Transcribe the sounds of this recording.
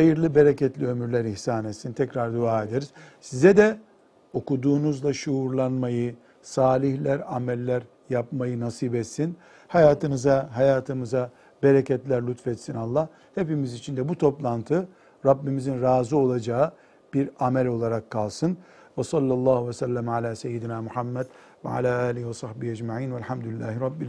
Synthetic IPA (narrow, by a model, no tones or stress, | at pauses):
hajɯɾlˠɯbeɾecɛt̪lʲiø̞myɾlʲæɾiçsaːnet̪sint̪ʰɛcɾaɾd̪uaːe̞d̪eɾiz̥sizɛd̪ɛ | o̞kud̪uːnuzlˠaʃuːɾlˠanmajɯ | saːlʲiçlʲæɾamɛlʲːæɾ | jap̚majɯnasiːbɛt̪sin | hajaːt̪ʰɯnɯzaɦajaːt̪ʰɯmɯza | beɾɛcɛt̪lʲæɾlʲut̪fɛt̪sinalˠːah | he̞pimizit͡ʃʰind̪ɛbut̪ʰo̞plˠant̪ʰɯ | ɾabːimizinɾaːzɯo̞lˠad͡ʒaɯ | b̥iɾamælʲo̞lˠaɾakʰːalˠsɯn | vɛsɑlʲːɑlˠːɑːhuvɛsælʲːæmʕalʲaːsejːid̪inæːmuhamːɛd̪̥ | vɛ̰ʕa̰lʲaːaːlʲihivɛsɑhbihæd͡ʒmaʕiːnvɛlʲħamd̪ulʲilːæ̰ːhiɾɑbːi